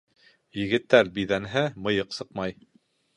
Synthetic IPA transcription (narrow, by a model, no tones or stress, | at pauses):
jɘ̆ɡɘ̆t̪ːæɾbiðænɦæmɤ̆jɤqsɤqmɑj